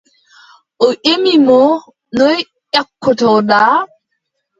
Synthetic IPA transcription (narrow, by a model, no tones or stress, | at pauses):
ʔɔʔemimɔ | nɔj | ʔakːɔtɔɗaː